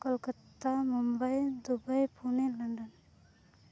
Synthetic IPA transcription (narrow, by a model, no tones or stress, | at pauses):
kəlkət̪ːamumbəjd̪ubəjpuneləɳɖən